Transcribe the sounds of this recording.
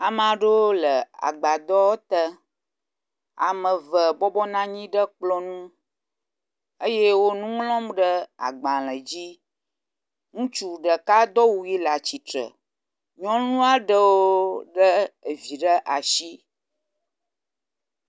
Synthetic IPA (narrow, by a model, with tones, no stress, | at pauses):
a˨m˨a˨ɖə˦wo˦lə˨a̰˨ɡ͡ba˨d̪ɔ˦wo˦t̪ə˦ | a̰˨mə̃˨və˨bɔ˦bɔ˦nã˦ɲĩ˦ɖə˦k͡plɔ˦nũ˦ | ə˦je˦wo˦nũ˦ŋlɔ̃˦mɖə˦a̰˨ɡ͡bã˨l̃ə̃˨d͡ʑi˦ | ŋũ˦t͡ʃu˨ɖə˨ka˦d̪ɔ˦wu˨ji˦la˨t͡ɕi˨t̪ɾə̰˨ | ɲɔ̃˦nũ˦a˦ɖə˦wo˦ɖə˦ə˨vi˨ɖə˦ʔa˨ʃi˦